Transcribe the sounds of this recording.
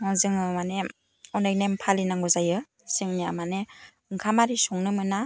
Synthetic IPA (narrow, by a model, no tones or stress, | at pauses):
aŋzɯŋɯmane | ɔnajnempʰalinaŋɡɔzajɯ | sɯŋnia̰mane | ɯŋkʰamaɾisɔŋnɯmɯna